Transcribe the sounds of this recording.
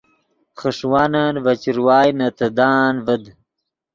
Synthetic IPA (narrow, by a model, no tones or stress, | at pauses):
χəʂwaːnanvɐt͡ɕiɾwaːjnɐt̪ɐd̪aːnvɐd̪